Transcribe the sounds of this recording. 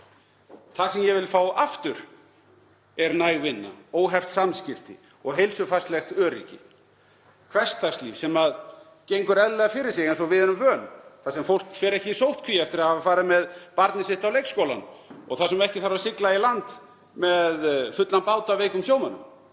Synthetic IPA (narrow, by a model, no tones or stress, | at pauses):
θasɛmjɛvɪlfaːwaft̪ʏɾ̥ | ɛɾnajɣvɪnːa̰oːwɦɛft̪samscɪft̪ɪ̰ | ɔɣɦejlsʏfast̪lɛxt̪œːɾḭːcɪ̰ | kʰvɛ̥st̪ʰakst̪lḭːfsɛmað | cejŋkʏɾɛðlɛðafɪɾɪɾ̥sjɛɣɛnsɔvɪðɪnʏmvœːnθasɛmfowl̥kfɛːɾɛhcɪisowht̪̚kʰviːjaɛft̪ɪɾaðhavafaːɾɪamɛðpaɾt̪nɪsɪht̪awlejkskowla̰nɔ̰ɣθasɛmɛhcɪθaɾvasɪklailant̪ | mɛðfʏt̪lanpaːwt̪aveːjkʏmsjoːwmanʏ̰m